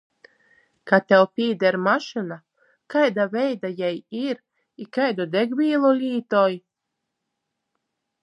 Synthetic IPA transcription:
kat̪ʲɛlpʲiːd̪ɛɾmaʃɨna | kajd̪avɛjd̪ajɛjiɾ | ikajd̪ɔd̪eɡvʲiːlˠulʲiːt̪ɔj

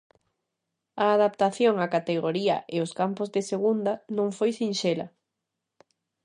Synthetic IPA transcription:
ɐːðapt̪aθjoŋakat̪eɣoɾiɐʔeʊskampʊzðeseɣund̪ɐnõŋfojsinʃelɐ̰

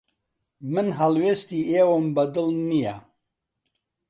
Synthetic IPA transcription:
mɨnɦɐlweːst̪iːeːwəmbɐd̪ɨlnija

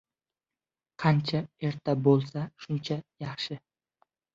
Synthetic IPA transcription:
qʰɑnt͡ʃʰae̞ɾt̪ʰabolˠsaʃʊnt͡ʃʰajɑχʃɪ

